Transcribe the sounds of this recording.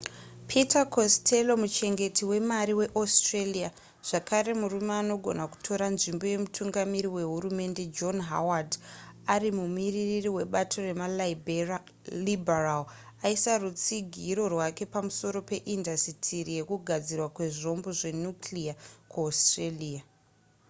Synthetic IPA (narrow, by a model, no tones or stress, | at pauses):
pʰitakoste̞lo̞mut͡ʃe̞ŋɡe̞tiwe̞maɾiwe̞ʔostrelija | ʐ̥akʰaɾe̞murumeano̞ɡʱo̞̰naku̥tʰo̞ɾanʐimbo̞je̞mutʰuŋɡamiɾiwe̞ɦurume̞nde̞d͡ʒo̞nɦa̰wadarimumiriririwe̞ɓatʰo̞re̞mal | liberal | aisarut͡siɡʱiɾo̞rwake̞pamuso̞ɾo̞pe̞ʔindasitʰiɾije̞kuɡʱad͡zirwakwe̞ʐo̞mbo̞ʐe̞nuklijakuostreliːa